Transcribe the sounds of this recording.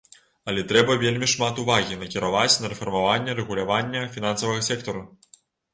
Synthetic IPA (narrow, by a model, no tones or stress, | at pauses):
ɐlʲɛt̪ɾɛbɐvʲelʲmʲiʂmat̪uvaɣʲinɐkʲiɾavat͡sʲnɐɾɛfɔrmavanʲːɛɾɛɣulʲavanʲːɐfʲinansɐvɐɣɐsʲɛkt̪ɔɾu